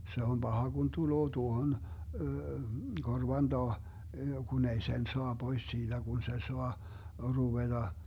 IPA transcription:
se om b̥ɑhɑ ɡ̊un tuloː tuohon korʋɑn d̥ɑː kun ei sen soɑ b̥ois siːd̥æ ɡ̊un se soɑ ruʋed̥ɑ

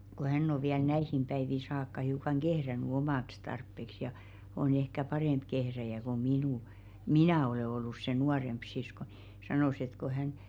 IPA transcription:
ko hænː o ʋiæl næihim b̥æiʋi sɑːkːɑ hiukɑŋ ɡ̊ehræny omɑˑks tɑrpːeks jɑ on ehkæ pɑreˑmp kehræjæ ko minuˑ minæˑ oleˑ olːus se nuɑremp sisko n̥i̥ sɑnoˑs et ko hæn

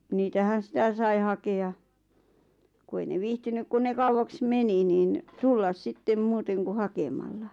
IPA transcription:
niːtæhæn̞ sĭtæ sɑi hɑkeɑ ku ei ne ʋiːhtynyk kun ne kɑuwɑks meni niːn tulːɑs sitːem muːteŋ ku hɑkemɑlːɑ

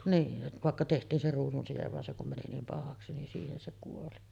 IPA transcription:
niːn ʋɑˑekːɑ tehtˑiːn se ruːsunsijeʋ ʋɑn se kum mæni niːm pɑhɑksi nin siːhen se kuoli

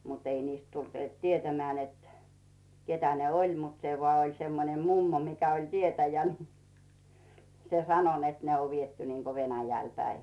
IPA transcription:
mut ei niːst tult tietæmeæˑ net ketæ ne olʲ mut se ʋoɑˑ olʲ semːonem mumːo mikæ olʲ tietæjæ ni se sɑno net ne o ʋietːy niːko ʋenæjæl pæi

